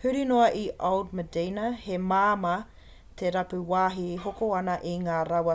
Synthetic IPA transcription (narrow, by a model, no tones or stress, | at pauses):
hʉɾinoɐʔiʔawdmədeːnɐhemaːmɐ | t̪ʰeɾɐpʉwaːɦiɦokoɐnɐʔiŋaːɾɐwɐ